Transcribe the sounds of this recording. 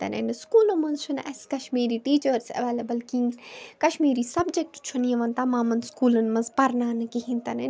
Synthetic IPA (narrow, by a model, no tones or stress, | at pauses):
t̪ɐ̰nḛnskuːlɨmɐ̃nzt͡ʃʰunɛ̰skɐʃmiːɾiːʈiːt͡ʃəɾsɐ̰ʋeːlɐbəlkĩkɐʃmiːɾisɐbd͡ʒek̚ʈt͡ʃʰuniɐʋɐnt̪aːmãːmɐnskuːlɐnmɐ̃nzpɐɾnaːnɨkiɦĩnt̪ɐne